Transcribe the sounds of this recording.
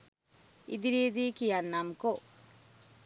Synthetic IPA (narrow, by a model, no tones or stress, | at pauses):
ḭd̪iɾiːd̪iːkijanːɐmko